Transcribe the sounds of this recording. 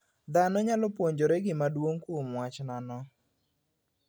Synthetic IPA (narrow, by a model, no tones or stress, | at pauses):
d̪anɔɲalɔpwoɲd͡ʒoɾɛɡɪmadwoŋkʊmwat͡ʃnanɔ